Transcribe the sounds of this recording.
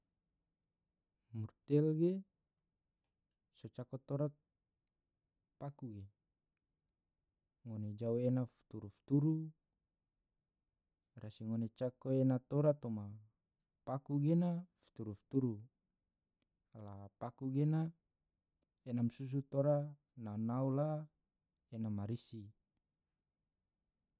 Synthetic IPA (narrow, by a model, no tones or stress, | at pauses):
murt̪ɛlɡe | sot͡ʃakot̪oɾat̪̚ | pakuɡe | ŋoned͡ʒaoenafu̥t̪uɾuft̪uɾu | rasiŋonet͡ʃakoenat̪oɾat̪oma | pakuɡenafu̥t̪uɾufu̥t̪uɾu | alapakuɡena | enamsus̬ut̪oɾa | nanaula | enamaɾisi